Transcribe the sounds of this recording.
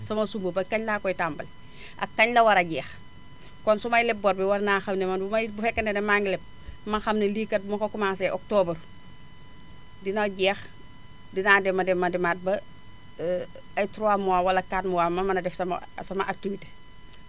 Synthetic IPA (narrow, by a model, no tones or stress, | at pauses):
sɐmɐsumbubɐkːaɲlaːkɔjtambɐl | ʔɐ̰kːaɲlɐwɐɾɐɟɛːx | kɔnsumɐjlɛp̚bɔɾbiwɐɾnaːxɐmnemɐnbumɐbufɛkːɐnenemaŋɡilɛp̚ | mɐxɐmnelikɐt̚mokokumas̬eʔɔk̚toːbər | dinaɟɛːx | dinadɛmːɐdɛmːɐdimat̚bɐ | ɐjtɾuamuwaːwɐlɐkaːtmuwaːmɐmɐnɐdɛfsɐm̰sɐmɐʔatːuwite̥